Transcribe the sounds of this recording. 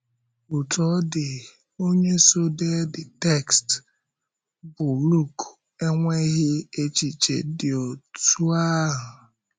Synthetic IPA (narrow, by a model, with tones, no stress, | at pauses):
u˨tɔ˦dɪ˨ | o˦ɲe˦so˦de˦dɪ˨tɛ˦˨kst | bʊ˨lu˦˨k | e˦ŋʷe˦ɣɪ˦e˦t͡ʃi˨t͡ʃḛ˨˦dɪ˨o˨tu˦a˦ɦʊ˨